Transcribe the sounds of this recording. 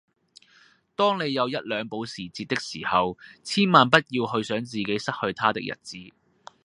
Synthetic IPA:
t̪ɔː˥ŋne˨˧jːɐ˨˧wjɐ˥t̚lœː˨˧ŋpo˨˥wsiː˨˩t͡siː˧t̚t̪ːɪ˥k̚siː˨˩hɐ˨wt͡sʰiː˥nmaː˨npɐ˥t̚jiː˧whɵ˧ɥsœː˨˥ŋt͡siː˨ke˨˥jsɐ˥t̚hɵ˧ɥt̪ʰaː˥t̪ɪ˥kjɐ̰˨˩t̚t͡siː˨˥

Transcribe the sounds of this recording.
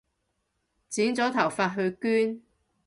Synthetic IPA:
t͡siː˨˥nt͡sɔː˨˥t̪ʰɐ˨˩wfaː˧t̚ɦɵ˧ɥkyː˥n

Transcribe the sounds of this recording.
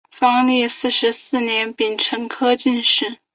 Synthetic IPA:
fɑ˥ŋlɛ˥˧sɹ̩˥˩ʂɻ̩˧˥sɹ̩˥˩njɛ˧˥npi˨˩nʈ͡ʂʰɤ˧˥ŋkʰɤ˥t͡ɕi˥˧nʂɻ̩˥˩

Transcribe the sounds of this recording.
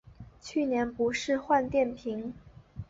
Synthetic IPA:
t͡ɕʰy˥˩njɛ˧˥npu˧˥ʂɻ̩˥˧xwa˥˧nt̪jɛ˥˩npʰi˧˥ŋ

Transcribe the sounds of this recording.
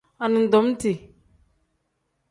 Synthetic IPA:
a˨ni˨n˨dɔ˨˦m˦ti˨

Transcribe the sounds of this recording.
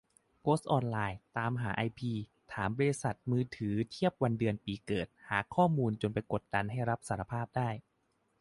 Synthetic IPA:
pʰoː˦˥st̪̚ʔɔː˧nlaː˧jt̪aː˧mɦaː˩˦ʔa˧jpʰiː˧t̪ʰaː˩˦mbɔː˧ɾi˧˥sa˨˩t̪̚mɯː˧t̪ʰɯː˩˦t̪ʰi˥˩əp̚wa˧ndɯ˧ənpiː˧kɤː˨˩t̪̚haː˩˦kʰɔː˥˩muː˧nt͡ɕo˧npa˧jko˨˩t̪̚da˧nɦa˥˩jɾa˦˥p̚saː˩˦ɾa˧pʰaː˥˩p̚daː˥˩j

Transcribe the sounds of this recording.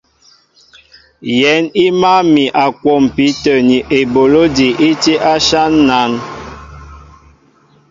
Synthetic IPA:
jɛ˨˦ni˦ma˦mi˨ʔa˨kwɔ˦˨m˨pi˨˦tə˨ni˨ʔe˨bo˨lo˦di˨ʔi˦ti˦ʔa˦ʃa˦nːa˨˦ŋ

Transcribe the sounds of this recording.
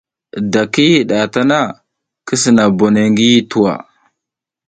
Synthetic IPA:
da˨ki˦˨ɗa˨ta˦na˦˨ | kə˦s̬i˨na˨bo˨ne˨ŋɡi˦ji˦tu˦wa̰˨

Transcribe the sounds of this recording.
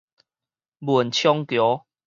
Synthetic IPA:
bu˨˩nt͡ɕʰjɔ˦ŋkjɔ˨˦

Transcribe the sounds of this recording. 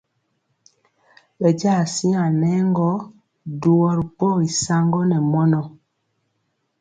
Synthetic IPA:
ɓɛ˨d͡ʒa˦˨si˦a˨nɛ˦ŋɡɔ˦ | du˨wɔ˨ɾi˨pɔ˦˨i˨sa˦ŋɡɔ˦nɛ˨mɔ˦nɔ˨

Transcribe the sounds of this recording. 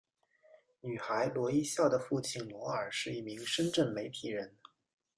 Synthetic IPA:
ny˨˩xa˧˥ɪlwɔ˧˥i˥ɕjɑ˥˩ʊd̪ə˩fu˥˧t͡ɕʰi˥˩nnwɔ˧˥ə˞˨˩ʂɻ̩˥˧i˥˩mi˧˥ŋʂə˥nʈ͡ʂə˥˩nme˧˥ɪt̪ʰi˨˩ɻə˧˥n

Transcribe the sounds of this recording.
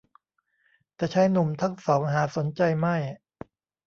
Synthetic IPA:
t̪ɛː˨˩t͡ɕʰa˦˥jnu˨˩mt̪ʰa˦˥˩ŋsɔː˩˦ŋɦaː˨˩˦so˩˦nt͡ɕa˧jma˥˩j

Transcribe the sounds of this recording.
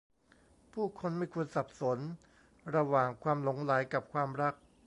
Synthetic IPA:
pʰuː˥˩kʰo˧nma˥˩jkʰu˧ənsa˨˩p̚so˩˦n | ɾa˧waː˨˩ŋkʰwaː˧mlo˩˦ŋla˩˦jka˨˩p̚kʰwaː˧mɾa˦˥˩k̚

